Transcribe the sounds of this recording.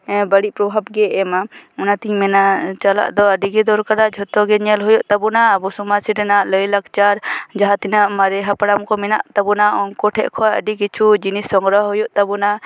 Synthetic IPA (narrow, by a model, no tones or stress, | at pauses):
bəɽiʔpɾɔbʱabɡɛɛmaunat̪iɲmɛnat͡ʃala̰ʔd̪ɔəɖiɡɛd̪ɔɾkaɾad͡ʒʱɔt̪ɔɡɛɲɛlɦɔjɔʔt̪abunaːbɔsumasiɾɛnaʔləjlakt͡ʃaɾd͡ʒaɦat̪inaʔmaɾɛɦapaɽamkɔmɛna̰ʔt̪abunaɔŋkɔʈʰɛ̰ʔkʰɔjə̰ɖikit͡ʃʰud͡ʒinisːɔŋɡɾɔɦɔjɔʔt̪abuna